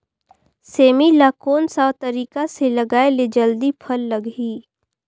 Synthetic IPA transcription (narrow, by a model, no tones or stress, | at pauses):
seːmilaːkoːnsat̪əɾiːkaselɐɡaːeled͡ʒəld̪ipʰɐlːɐɡɦiː